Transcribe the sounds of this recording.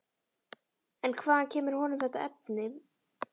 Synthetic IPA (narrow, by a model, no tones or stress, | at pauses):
ɛnkʰvaːðancʰɛːmɪɾ̥hɔnɪmθɛht̪aɛpnɪm